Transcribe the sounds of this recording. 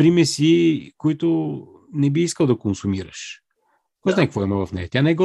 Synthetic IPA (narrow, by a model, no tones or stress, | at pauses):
ɾimɛsikoit̪ʊ | nɛbiiskəlˠd̪ɐkonsumiɾə̰ʃ | kɔjznajkəkvɔimɐvɐfnɛ̰jɐt̪ʲanɛɛɡɔ